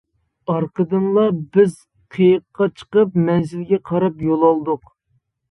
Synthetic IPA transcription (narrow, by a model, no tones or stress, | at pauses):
ɑɾqəd̪ɨnlˠɑbɪz | qʰejəqːɑt͡ʃʰə̥qəpmɛnzɪlɡʲɛqʰɑɾɑpjolˠɑlˠd̪ʊq